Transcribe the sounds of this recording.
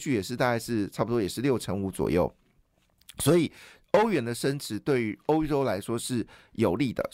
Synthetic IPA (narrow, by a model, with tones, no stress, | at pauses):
t͡ɕʰy˥˩jɛ˨˩ʂɻ̩˥˧t̪a˥˧ka˥˧ɪʂɻ̩˥˧ʈ͡ʂʰɑ˥˩pu˨˩t̪wɔ˥jʂɻ̩˥˧ljo˥˩ʊʈ͡ʂʰə˧˥ŋu˧˥t͡swɔ̰˨˩jo˥˩ʊ | swɔ˧˥i˨˩ | o˥ʊɥɛ˧˥nd̪ə˧ʂə˥nʈ͡ʂʰɻ̩˧˥˦t̪we˥˩ɪy˧˥o˥ʊʈ͡ʂo˥ʊla˧˥ɪʂwɔ˥ʂɻ̩˥˩jo˨˩ʊli˥˩d̪ə̰˩